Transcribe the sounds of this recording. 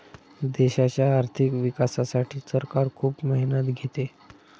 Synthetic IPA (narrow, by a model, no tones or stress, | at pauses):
d̪eɕat͡ɕjaːɾt̪ʰikʋikasasaʈʰiːsəɾkaɾkʰuːpməɦinət̪ɡʱet̪e